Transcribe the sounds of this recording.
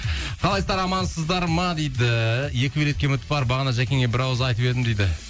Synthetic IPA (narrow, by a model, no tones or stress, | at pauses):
qʰɑlˠɑjst̪ɑɾɑmɑnsəzd̪ɑɾmɑd̪ejd̪ɪje̞kʲɪbeɾet̪kʲe̞mʏt̪ɪ̥pbɑɾbɑʁɑnɑʒækʲʰe̞ŋe̞bɪɾɑwəzəɑjt̪əpe̞d̪ɪmd̪ejd̪ɪ